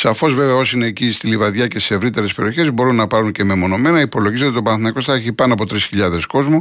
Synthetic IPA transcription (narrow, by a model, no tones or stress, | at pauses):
sɐfo̞zve̞veɐo̞sineːcist̪ilivɐðʝɐcesise̞vɾit̪e̞ɾespe̞ɾioçe̞zbo̞ɾunːɐpɐɾuɲce̞me̞mo̞no̞me̞nɐipo̞lo̞ʝizot̪it̪opɐnθinɐko̞st̪ɐeçipɐnoɐpo̞t̪ɾisçiʎɐðe̞sko̞zmu